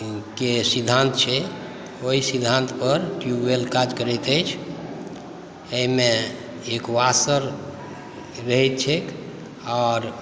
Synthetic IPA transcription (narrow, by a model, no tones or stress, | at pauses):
kesid̪ʱːant̪t͡ʃʰɛ | oɦisid̪ʱant̪pəɾʈjuelkad͡ʒkəɾəjt̪əjt͡ʃʰ | əɦime | ekoasəɾ | ɾəɦɛt̪̚t͡ʃʰek | ɔɾ